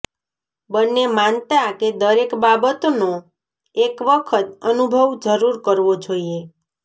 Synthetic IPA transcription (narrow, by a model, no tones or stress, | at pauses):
bənːemant̪ãked̪əɾekbabət̪ono | ekʋəkʰət̪ənubʱəʋd͡ʒəɾuɾkəɾʋod͡ʒoie